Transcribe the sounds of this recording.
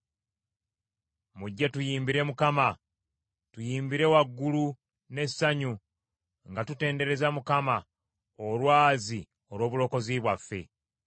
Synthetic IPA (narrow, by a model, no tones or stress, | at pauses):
muɟːetujiːmbiɾe̞mukama | tujiːmbiɾe̞waɡːulu | ne̞saɲu | ŋɡatute̞ːnde̞ɾe̞zamukama | olwaːzi | oɾwo̞ːβulo̞ːko̞ziβwafːe̞̰